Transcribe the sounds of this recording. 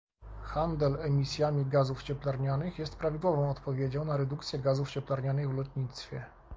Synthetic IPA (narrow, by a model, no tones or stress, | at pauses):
xand̪ɛlɛmʲisʲjamʲiɡazuft͡ɕɛplaɾɲanɘxjɛst̪pɾavʲid̪wɔvɔ̃w̃ɔt̪pɔvʲjed͡ʑɔ̃w̃naɾɛd̪ukt̪sʲjɛɡazuft͡ɕɛplaɾɲanɘɣvlɔt̪ɲit̪st̪fʲɛ